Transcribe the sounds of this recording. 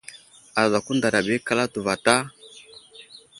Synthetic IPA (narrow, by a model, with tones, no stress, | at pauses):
a˨za˨ku˦nda˨ɾa˨bɛ˦ka˦la˦tu˨va˨ta˦